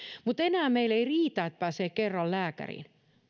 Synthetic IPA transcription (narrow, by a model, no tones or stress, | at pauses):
mut̪enæːmeileiriːt̪æet̪̚pæːseːkkerːɑllæːkæ̰rḭːn